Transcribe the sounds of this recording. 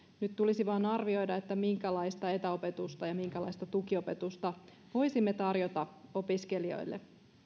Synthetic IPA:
nyt̪t̪ulisiʋɑːnɑrʋio̞jdɑet̪ːæmiŋkælɑjst̪ɑe̞t̪æo̞pe̞t̪ust̪ɑjɑmiŋkælɑ̰ist̪ɑt̪ukio̞pet̪ust̪ɑ | ʋo̞jsimːet̪ɑrjot̪ɑo̞piskelio̞̰jlːḛ

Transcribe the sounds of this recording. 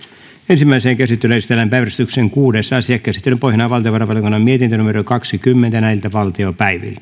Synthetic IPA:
ensimːæiseːŋkæsit̪ːeløesit̪elːæmpæiʋɾæst̪ykseŋkuːdesːɑsiɑkːæsit̪ːelːypoihjɑnɑʋɑlˠt̪ioʋɑɾɑpɑljokunːɑmiet̪int̪ønumeɾokɑksikymːent̪ænæilt̪æʋɑlt̪iopæiʋḭlt̪æ̥

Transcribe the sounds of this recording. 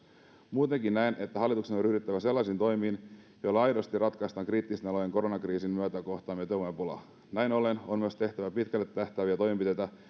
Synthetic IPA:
muːt̪e̞ŋkinnæine̞t̪ːæɦɑlːit̪uksenoryhdyt̪ːæʋæse̞lːɑsiːnt̪o̞jmiːnjojlːɑɑjdost̪irɑt̪kɑst̪ɑŋkriːt̪ːist̪enɑlojeŋko̞ɾonɑkriːsinmmyøœt̪æko̞ht̪ɑːmet̪oʋomempolɑ̰ | næjnolenonmyøst̪e̞ht̪æʋæpit̪kælːet̪ːæht̪æːʋiæt̪o̞jmimpit̪et̪æ

